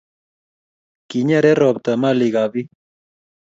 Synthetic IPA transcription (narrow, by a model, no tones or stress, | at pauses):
kiɲaɾeɾob̚t̪amaliɣaβi